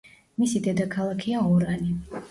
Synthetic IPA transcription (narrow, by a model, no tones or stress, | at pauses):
misid̪ɛd̪akʰalˠakʰiaɔɾani